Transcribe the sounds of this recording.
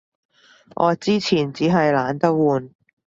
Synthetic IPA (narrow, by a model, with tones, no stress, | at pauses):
ʔɔ̰ː˨˧t͡siː˥t͡sʰiː˨˩nt͡siː˨˥ɦɐ˨jlaː˨˧nt̪ɐ˥k̚wuː˨n